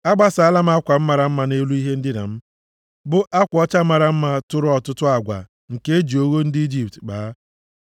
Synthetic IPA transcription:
a˦ɡ͡ba˦sa˨a˦˨la˦m̩˦a˦kʷa˨m̩˦ma˨ɾa˨m̩˦ma˨ne˦lu˦i˦ɦe˦n̩˦dɪ˦na̰˨m̩˦ | bʊ˦ʔa˦kʷɔ˦t͡ʃa˦ma˨ɾa˦m̩˦ma˦tʊ˦ɾʊ˦ɔ˨tʊ˦tʊ˦a˨ɡʷa̰˨ | ŋ̩˨ke˦e˦d͡ʒi˨o˦ɣo˦n̩˦dɪ˦i˦d͡ʒi˨ptk͡paː˨a˦

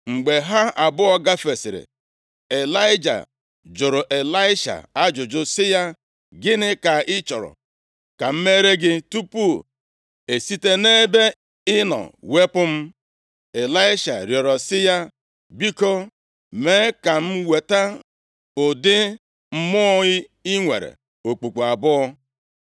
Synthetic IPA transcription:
ŋ͡m̩˨ɡ͡be˨ɦa˦a˨bʊ˦ɔ˦ɡa˦fe˨sɪ̰˨ɾɪ̰˨ | e˨la˦ɪ˦d͡ʒa̰˨ | d͡ʒʊ˨ɾo˨ʔe˨la˦ɪ˦ʃa̰˨a˦d͡ʒʊ˨d͡ʒʊ˨sɪ˦ja˦ | ɡɪ˦nɪ˦ka˨ɪ˦t͡ʃɔ˨ɾɔ̰˨ | ka˨m̩˦me˦ɾe˦ɡɪ˦tu˦pu˦˨ | e˨si˦te˦ne˦be˦ | ɪ˦nɔ̰˨we˦pʊ˦m̩˦ | e˨la˦ɪ˦ʃa̰˨ɾjɔ˨ɾɔ˨sɪ˦ja˦ | bi˦ko˦ | me˦ka˨m̩˦we˨ta˦ | ʊ˨dɪ˦ | m̩˦mʊ˦ɣɪ˦ɪ˦ŋʷḛ˨ɾḛ˨ | o˨k͡pu˨k͡pu˨a˨bʊ˦ɔ˦

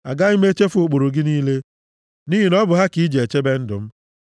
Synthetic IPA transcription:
a̰˨ɡa˦i˦me˦t͡ʃe˦fo˨k͡po˨ɾu˨ɡɪ˦niː˦le˦ | ni˦ɦi˨nɔ˦bʊ˨ɦa˦ki˨˦i˦d͡ʒe˨e˨t͡ʃe˦be˦n̩˦dʊ̰˨m̩˦

